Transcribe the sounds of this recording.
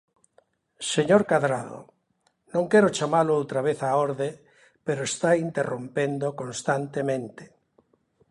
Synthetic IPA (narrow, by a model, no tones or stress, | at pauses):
seɲoɾkaðɾaðo̰ | nõŋkɛɾot͡ʃamaloowt̪ɾaβ̞eθaoɾðe | peɾoest̪aint̪erompend̪okõnst̪ant̪emẽnt̪e̥